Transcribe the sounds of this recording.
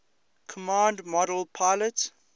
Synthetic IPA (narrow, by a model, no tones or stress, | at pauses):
kʰɔmãːndmɔɾəlˠpʰaɪlət